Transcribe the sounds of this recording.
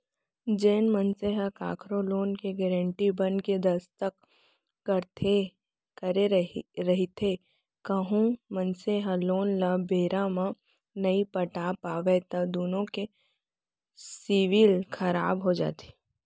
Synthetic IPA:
d͡ʒeːnmɐnseɦakaːkʰɾoloːnkeɡɛːɾə̃ɳʈibənked̪ɐst̪əkː | ɐɾt̪ʰe | kɐɾeɾɐɦit̪ʰe | kɐɦũmɐnseɦaloːnlabeːɾamã | nɐipɐʈaːpaːʋet̪ɐd̪oːnõke | siʋilkʰɐɾaːbɦod͡ʒa̰ːt̪ʰe̥

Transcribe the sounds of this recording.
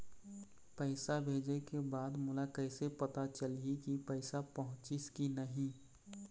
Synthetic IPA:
pɛɪsabʱeːd͡ʒekebaːd̪mʊlakɛɪsepɐt̪at͡ʃəliikipɛɪsapɐɦʊ̃t͡ʃɪskinɐɦĩ

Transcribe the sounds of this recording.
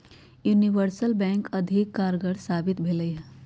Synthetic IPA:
juːniʋəɾsəlbɛ̃ːŋkɐd̪ʱɪkːaːɾɡəɽsaːbɪt̪bʱeːləiɦɛ

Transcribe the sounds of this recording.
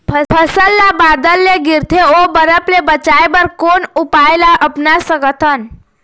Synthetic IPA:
pʰəpʰəsəlːabad̪əlːeɡiɾt̪ʰeobəɾəplebət͡ʃajbəɾkonupajlaʔəpnasəɡət̪ʰən

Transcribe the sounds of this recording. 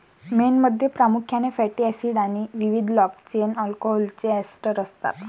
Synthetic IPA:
menməd̪ʱːjepɾamukʰjanefɛʈiɛsiɽaɽ̃iʋiʋid̪ʱlɔk̚t͡ɕenɔlkɔɦɔlt͡ɕeɛsʈəɾəst̪a̰t̪

